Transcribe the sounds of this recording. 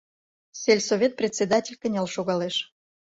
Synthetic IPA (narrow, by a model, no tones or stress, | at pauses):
sʲelʲsovʲet̪̚prʲet̪ʲsʲed̪atʲelʲkənʲelʃoɣɑleʃ